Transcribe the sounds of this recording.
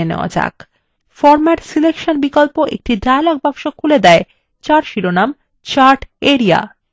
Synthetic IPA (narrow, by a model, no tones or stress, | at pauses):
enḛoa̰d͡ʑa̰k | fɔɾmaʈsilekʃonbikolpoʔek̚ʈidaelaɡ̚babʃokʰuled̪ɛe | t͡ɕaɾʃiɾonam | t͡ɕaɾʈeɾia̰